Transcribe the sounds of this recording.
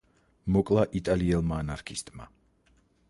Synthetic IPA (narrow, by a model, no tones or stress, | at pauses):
mɔkʼlˠaʔit̪ʼaliɛlˠmaːnaɾkʰist̪ʼma̰